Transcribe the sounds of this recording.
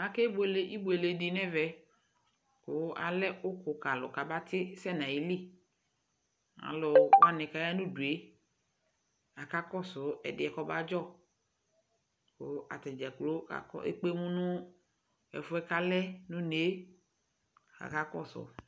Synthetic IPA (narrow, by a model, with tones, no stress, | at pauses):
a˨ke˦be˨le˨i˦bu˨e˨le˨di˨nɛ˦vɛ˨ | kʊ˦a̰˨lɛ˦ʊ˦kʊ˨ka˨lʊ̰˨ka˨ba˦t̪ɪ˦sɛ˦˨nã˨ji˨˦li˦ | a̰˨lɔ˨wa˦nɪ̃˨ka˨ja˦nũ˦du˨e˦ | a˨ka˦kɔ˦sʊ˨˦ɛ̰˨dɪ˨ɛ˨kɔ˦ba˦d͡ʒɔ˦ | kʊ˨˦a̰˨t̪ɛ˨d͡ʒa˨klo˦ka̰˨kɔ̰˦ḛ˦k͡pe˦mũ˦nʊ̃˦ | ɛ̰˨fʊ˦ɛ˦ka˦lɛ˦nʊ̃˦ne˨˦ | a̰˨ka˦kɔ˦sʊ̰˨˦